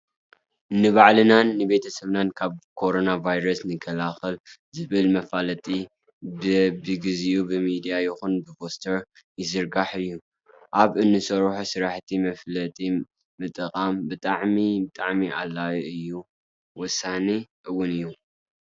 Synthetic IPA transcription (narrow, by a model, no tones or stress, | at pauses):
nɨβaʕlɨnanːɨbe̞t̪ʰɐsɐβnankʰaβkʰo̞ɾo̞navajɾɐsnɨkʰːɐlaxɐlzɨβɨlmɐfalɐt̪ʼi | bbɨɡɨzijubɨmid̪ijajɪxunbɨfo̞st̪ʰɐɾ | jɪzɨɾɡaħɨjːu | ʔaβɨnːɨsɐɾħusɨɾaħt̪ʰimɐflɐt̪ʼi | mɨt̪ʼɨkʼambɨt̪ʼaʕmibɨt̪ʼaʕmialːajɨjːu | wɔsːaneʔɨwːʊnɨjːu